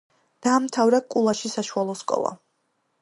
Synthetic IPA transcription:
d̪̥aːmt̪ʰavɾakʼulˠaʃisaʃualˠɔskʼɔ̰lˠa̰

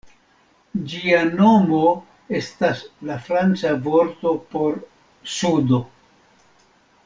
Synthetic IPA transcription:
d͡ʒiano̞mo̞ | e̞staslafɾant͡savo̞ɾt̪o̞po̞ɾ | sudo̞

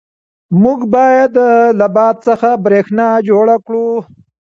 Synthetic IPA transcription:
muɡbɑjad̪ːəlabɑt̪̚səxabɾexnɑd͡ʒoɽakɽu

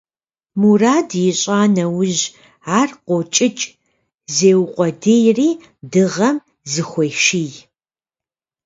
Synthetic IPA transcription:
muraːdjɪɕʼaːnɐwʊʑ | aːrqʷot͡ʃʼɪt͡ʃʼ | zeːwqʷʼɔdejriː | dɨʁɐm | zɨxʷejʃiːj

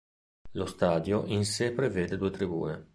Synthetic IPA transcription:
lost̪aːd̪joʔinsepɾeveːd̪ed̪uːet̪ɾibṵːne

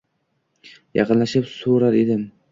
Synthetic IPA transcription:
jɑ̰qɨnlaʃɪpsoɾaɾed̪ɪm

